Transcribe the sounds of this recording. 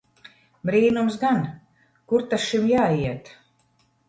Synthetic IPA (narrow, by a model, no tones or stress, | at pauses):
bɾiːnums̬ɡan | kuɾt̪asʃimjaːiɛt̪